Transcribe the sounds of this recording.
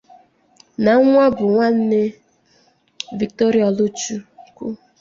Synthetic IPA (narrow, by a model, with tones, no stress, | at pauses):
na˨˦ŋʷa˦bʊ˨ŋʷa˦n̩˦ne˦ | vi˨k̚to˦ɾi˦ɔ˨lʊ˦t͡ʃu˦kṵ˦